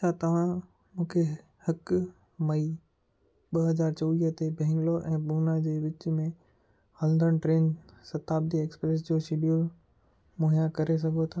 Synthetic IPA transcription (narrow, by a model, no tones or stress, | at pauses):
t͡ʃʰat̪ɐʋ̤ã | mũːkʰe | hɐk | mɐi | ɓɐɦɐzaːɾt͡ɕoːʋiːɦət̪ebʱɛ̃ɦɪ̃ŋɡloʔɛ̃ːɓuːnad͡ʑeːʋɪt͡ɕmẽ | hɐlnd̪əɽ̃ʈɾeːnsɐt̪aːb̚d̪ieːkspɾeːs̬d͡ʑoːsiɖijo | moːɦijakɐɾes̬ɐɡʱot̪ʰaː